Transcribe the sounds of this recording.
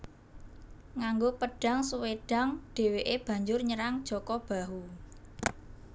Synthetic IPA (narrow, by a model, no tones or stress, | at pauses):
ŋaŋɡopəɖ̥ä̤ŋsuweɖ̥a̤ŋɖ̥e̤weʔeb̥ä̤ɲd͡ʒʊrɲəɾaŋd̥ʒ̥ɔ̤kɔb̥ä̤ɦu